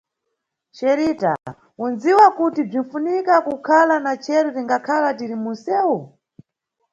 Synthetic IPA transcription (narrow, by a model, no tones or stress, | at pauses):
ʃɛɾita̰ | unziwakutib͡ʐin̩funikakukʰalanat͡ʃʰɛɾutiŋɡakʰalatiɾimunsɛːwu